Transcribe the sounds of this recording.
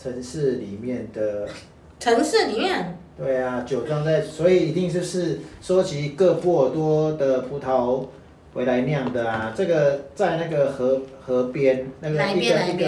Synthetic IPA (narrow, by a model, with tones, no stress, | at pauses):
ʈ͡ʂʰə˧˥ŋʂɻ̩˥˩li˨˩mjɛ˥˩nd̪ə˩ | ʈ͡ʂʰɤ˧˥ŋʂ̩˥˩li˨˩mjɛ˥˩nt̪we˥˩ɪa˩t͡ɕjo˨˩ʊʈ͡ʂɑ˥˧ŋt͡sa˥˩ɪ˨˩swɔ˧˥i˨˩i˧˥t̪i˥˧ŋt͡ɕjo˥˧ʂɻ̩˥˩ʂwɔ˥t͡ɕʰi˧˥kɤ˥˧pwɔ˥˩t̪wɔ˥d̪ə˨pʰu˧˥t̪ʰɑ˧˦ʊ | we˧˥ɪla˧˥ɪnjɑ˥˩ŋd̪ə˩a˨˩ʈ͡ʂɤ˥˩ɡə˩t͡sa˥˧ɪna˥˩ɡə˩xɤ˧˥xɤ˧˥pjɛ˥nna˥˩ɡə˨˧i˥ɡə˨i˥˩ɡə˧˩